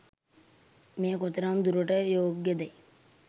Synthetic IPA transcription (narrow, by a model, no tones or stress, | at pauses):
meːkot̪əɾamd̪uɾuʈəjoːɡjəd̪aj